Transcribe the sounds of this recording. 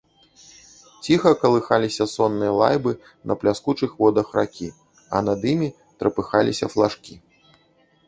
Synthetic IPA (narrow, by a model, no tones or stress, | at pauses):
t͡sʲixɐkɐlˠɨxalʲisʲɐsɔnːɨjɐlˠa̰jbɨ | nʔɐ̰plʲaskut͡ʂɨxvɔd̪ɐxrakʲi | ɐ̰nɐd̪imʲi | t̪ɾɐpɨxalʲisʲɐ̰flˠaʂkʲi